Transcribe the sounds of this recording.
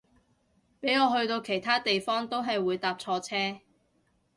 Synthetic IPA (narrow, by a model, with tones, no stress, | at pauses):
pe˨˥jŋɔː˨˧ɦɵ˧ɥt̪o˧wkʰe˨˩jt̪ʰaː˥t̪e˨jfɔː˥ŋt̪o˥wɦɐ˨jwuː˨˧jt̪aː˨p̚t͡sʰɔː˧t͡sʰɛː˥